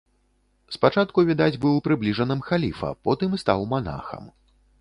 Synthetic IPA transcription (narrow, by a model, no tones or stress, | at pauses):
spat͡ʂat̪kuvʲid̪ad͡zʲbɨwpɾɨblʲiʐɐnɨmxalʲifɐ̰pɔt̪ɨmst̪awmana̰xɐ̰m